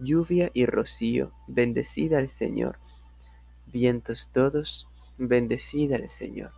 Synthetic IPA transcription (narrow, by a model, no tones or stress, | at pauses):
ʎuβjaʔirosio̰ | be̞nd̪esḭðaːlsḛɲo̰ɾ | bjent̪ost̪oðos | be̞nd̪esiðaalsḛɲo̰ɾ